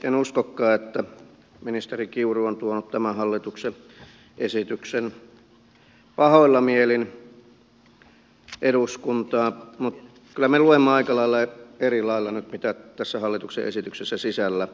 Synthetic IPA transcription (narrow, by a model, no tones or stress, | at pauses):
enuskokːɑːet̪ːæ | minist̪erikiuruont̪uonut̪t̪æmæhɑlːit̪ukse | ʔesit̪yksen | pɑhoilːɑmielin | ʔeɾuskunt̪ɑːmut̪ | kylːˑæmeluemːeɑikɑlɑilːɑeerilɑilːɑnyt̪mit̪æt̪æsːæhɑlːit̪uksḛʔḛsit̪yksesːæsisælːæ